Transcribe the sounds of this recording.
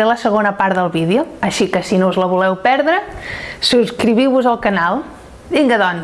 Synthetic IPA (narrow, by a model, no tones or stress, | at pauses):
eləsəɣonəpaɾðəlˠβiðiuəʃikəsinouzləβulɛwpɛɾðɾəsuskɾiβiwβuzəlˠkənalˠ | biŋɡəðɔn